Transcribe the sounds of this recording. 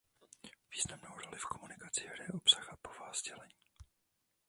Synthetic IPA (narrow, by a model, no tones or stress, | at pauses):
viːznamnowɾo̞lɪfko̞munɪkat͡sɪɦɾɛjɛʔo̞psaxapovaːzɟɛlɛɲiː